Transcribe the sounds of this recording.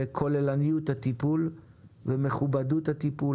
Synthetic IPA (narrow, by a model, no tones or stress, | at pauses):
ekʰolelanijuthat̪ipul | veme̞χubaduthat̪ipu